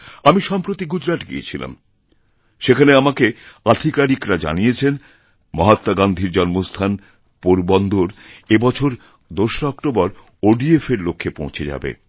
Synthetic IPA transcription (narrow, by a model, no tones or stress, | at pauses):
amiʃɔmpɾot̪iɡud͡ʑɾaʈɡḭḛt͡ɕʰila̰m | ʃekʰaneamakead̪ʱikaɾikɾad͡ʑa̰nijet͡ɕʰen | mɔɦat̪ːaɡand̪ʱiɾd͡ʑɔnmost̪ʰan | poɾbɔnd̪ʱoɾebɔt͡ɕʰoɾ | d̪oʃɔkʈobɔɾ | oɖiefeɾlokʰːepõ̰w̃t͡ɕʰed͡ʑa̰bḛ